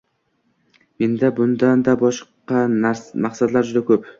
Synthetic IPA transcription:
me̞nd̪abʊnd̪and̪abɒʃqɑmaqsad̪laɾd͡ʒʊd̪akʰɵp

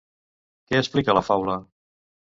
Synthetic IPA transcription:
kɛəsplikələfawlə

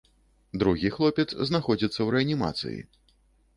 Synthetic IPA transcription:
d̪ɾuɣʲixlˠɔpʲɛt̪sznaxɔd͡zʲit̪sːɐwɾɛɐnʲima̰t̪sɨ̰jḭ

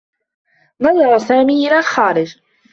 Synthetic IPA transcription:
nɑðˤɑɾˤsaːmiːʔɪlalxaːɾɪd͡ʒ

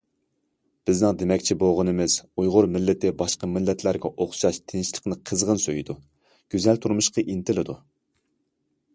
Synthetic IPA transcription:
b̥ɪznɪŋd̪emɛkʲt͡ʃʰiboʁʊnɨmɪz̥ujʁʊɾmɪlːɪt̪ʰɪbɑʃqɑmɪlːɛt̪ʰlæɾɡʲɛʔoχʃɑʃt̪ʰɪnʃlˠəqnɨqʰəzʁənsøjid̪u | ɡ̥ʲyzɛlt̪ʰuɾmuʃqɑʔint̪ʰɪlɪd̪u

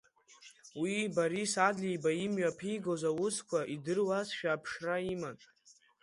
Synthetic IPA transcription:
wibaɾisadlijbaimɥapʰijɡozawʊskʷʰaʔidɨrwasʃᶣaːpʰʂraiman

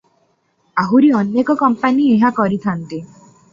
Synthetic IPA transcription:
aɦuɾiɔnjekɔkɔmpanieɦakɔɾit̪ʰant̪i

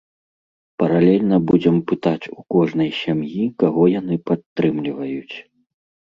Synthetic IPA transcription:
pɐɾalʲɛlʲnɐbud͡zʲɛmpɨt̪at͡sʲukɔʐnɐjsʲamjikaɣɔjanɨpat̪ːɾɨmlʲivɐjut͡sʲ

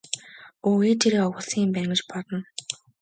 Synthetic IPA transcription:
ueːt̪ʰeɾeːɔwʊ̆ɮsiːmpæŋɡə̆t͡ɕpɔɮɞ̆n

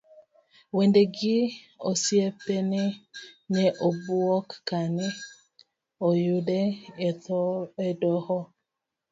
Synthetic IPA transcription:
wendeɡɪ | osjepenenɛʔobuɔkːane | ojudetedɔhɔ

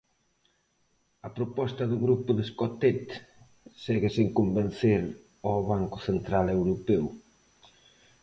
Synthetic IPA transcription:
ɐpɾopɔst̪ɐðʊɣɾupʊðeskɔt̪et̪ | sɛɣɪseŋkomben̟θeɾ | ɔβaŋkʊθent̪ɾalewɾopɛw

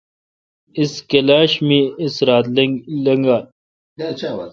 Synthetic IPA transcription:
iskelaːɕmĩisɾaːt̪llɐŋɡaːl

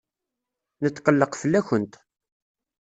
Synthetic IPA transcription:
nət͡s̪ːqəlːəqfəlːæçənt̪

